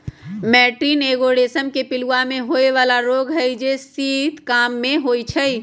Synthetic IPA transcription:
mɛːʈiːneːɡoːɽeːsəmkepɪluamẽɦoːeʋaːlaɾoːɡɦɛid͡ʒesiːt̪kaːmːẽɦoːit͡ʃʰɛi

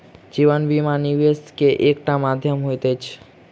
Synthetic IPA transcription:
d͡ʒiʋənʋimaniʋeskeʔek̚ʈamad̪ʱjəmɦojt̪et͡ʃʰ

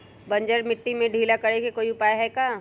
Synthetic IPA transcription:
bɐ̃ɲd͡ʒəɾmɪʈːimẽɖʱiːlakɐɽekekoːiʊpaːjeɦɛkaː

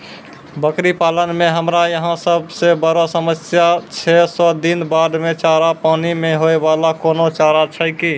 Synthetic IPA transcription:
bəkɾipalənmeɦəmɾajəɦãsəbsebəɾasəməsjat͡ʃʰɛsɔd̪inbaɖmet͡ʃaɾapanimeɦoebalakonot͡ʃaɾat͡ʃʰəki

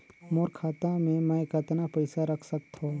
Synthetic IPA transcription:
moːɾkʰaːt̪ãmẽmɛkɐt̪napəɪsaɾɐkʰsɐk̚t̪ʰo

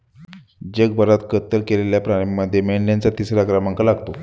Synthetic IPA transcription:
d͡ʑəɡ̚bʱəɾat̪kət̪ːəɾkeleljapɾaɽeməd̪ʱːjemeɳɖjant͡sat̪isɾakɾamaŋkalaɡt̪o

